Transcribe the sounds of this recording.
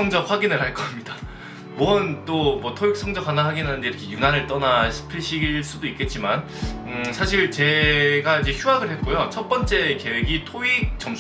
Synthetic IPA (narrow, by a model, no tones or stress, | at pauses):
ʌŋd͡ʑʌɸwaɡinɯɭhaɭk͈ʌmɲida | muʌnt͈omwʌtʰoik̚s͈ʌŋd͡ʑʌkʰwanawaɡinɦanɯndeiɾʌkʰe̞junanɯɭt͈ʌnaɕʰi̥pʰiɕʰiɡiɭs͈udoik͈e̞t̚t͡ɕ͈iman | ɯsʰaɕʰiɭt͡ɕe̞ɡaid͡ʑe̞çjuaɡɯɭhet̚k͈ojot͡ɕʰʌt̚p͈ʌnt͡ɕ͈e̞ke̞weɡitʰoik̚t͡ɕʌm